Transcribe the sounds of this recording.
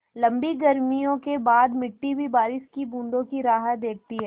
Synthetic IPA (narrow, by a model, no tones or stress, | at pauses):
lɐ̃mbiɡɐɾmijõkebaːd̪mɪʈːibʱibaːɾɪʃkibũːɳɖ̪õkiɾaːɦət̪d̪eːk̚t̪iɦɛː